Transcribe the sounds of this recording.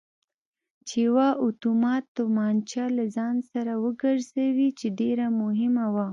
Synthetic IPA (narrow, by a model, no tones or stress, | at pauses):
t͡ʃewaʔʊt̪umɑt̪ːomɑnt͡ʃɑlazɑnsaɾawəɡəɾzawit͡ʃeɖeɾamʊɦɪmawa